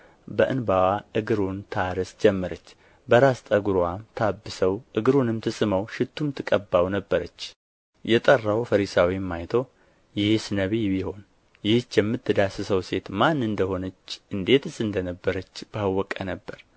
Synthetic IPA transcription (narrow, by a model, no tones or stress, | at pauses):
bəʔɨnbawaʔɨɡɨɾunt̪ʰaɾɨsd͡ʒɛmːəɾət͡ʃː | bəɾast̪ʼəɡuɾamt̪ʰabːɨsəwʔɨɡɨɾunɨmt̪ʰɨsʼɨməwʃɪt̪ːumt̪ʰɨkʼəbːawnəbːəɾət͡ʃː | jɛt̪ʼərːawfəɾisawimːajt̪ʰo | jɪhsɨnəβibiho̞n | jɪht͡ʃːjɛmːɨt̪ːɨd̪asɨsəwse̞t̪manːɨnd̪əho̞nət͡ʃːʔɨnd̪e̞t̪ɨsɨnd̪ənəbːəɾət͡ʃːb̥ahwɔkʼənəbːəɾ